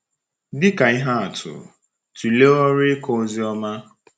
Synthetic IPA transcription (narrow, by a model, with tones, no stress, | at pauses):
dɪ˦ka˨i˦ɦa˦a˨tʰʊ̰˨ | tu˨le˦ɔ˦ɾɪ˦kɔ˦zi˦ɔ˦ma˦